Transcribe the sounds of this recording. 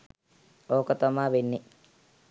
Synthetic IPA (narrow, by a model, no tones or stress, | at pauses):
oːkət̪amaːʋenːi